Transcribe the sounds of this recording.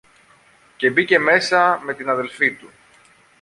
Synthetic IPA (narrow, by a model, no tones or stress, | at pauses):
ce̞bice̞me̞sɐme̞t̪inɐðe̞lfit̪u